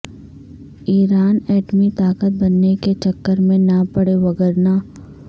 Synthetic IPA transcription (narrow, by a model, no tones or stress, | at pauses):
iːɾaːnɛːʈmit̪aːkət̪̚bɐnːeket͡ʃɐkːəɾmẽnɐpɐɽeʋɐɡəɾna